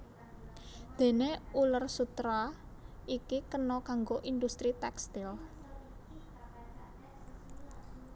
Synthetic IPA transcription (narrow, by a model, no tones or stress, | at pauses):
d̪̥e̤neulərsut̪ɾaʔikikənɔkaŋɡoʔind̪ust̪ɾit̪ɛkst̪il